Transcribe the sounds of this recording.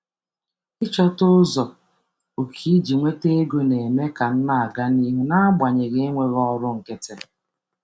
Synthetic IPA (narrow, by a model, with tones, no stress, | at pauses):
ɪ˦t͡ʃɔ˦tʊ˦zɔ˨ | o˨kʰi˦d͡ʒi˨ŋʷe˦te˦e˦ɡo˦ne˨me˦ka˨n̩˦na˨a˨ɡa˦ni˦ɦu˦na˦ɡ͡ba˨ɲe˨ɣe˦ŋʷe˦ɣɔ˦ɾʊ˦ŋ̩˨ke˦te˦